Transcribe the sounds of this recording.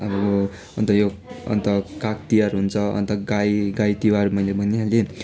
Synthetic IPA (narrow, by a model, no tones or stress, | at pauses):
ʌbʌjo | ʌ̰nt̪ʌjoʌ̰nt̪ʌkakt̪ijaɾɦunt͡sʰʌʌ̰nt̪ʌɡajɡajt̪iwaɾumʌjlebʱʌneɦale